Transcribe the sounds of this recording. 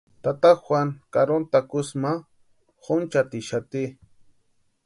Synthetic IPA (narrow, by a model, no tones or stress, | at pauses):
t̪at̪axwʷaŋkaɾont̪akʊsma | χʊnt͡ʃat̪ɪʃat̪ɪ